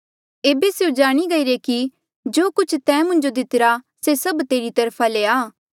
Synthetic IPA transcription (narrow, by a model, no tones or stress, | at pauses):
eːbeseũd͡ʒaːɽ̃iɡɐiɾeki | d͡ʒoːkʊt͡ʃʰt̪ɛ̃ːmʊ̃nd͡ʒod̪ɪt̪ɪɾa | sesɐbt̪eːɾit̪ɐɾpʰaleaː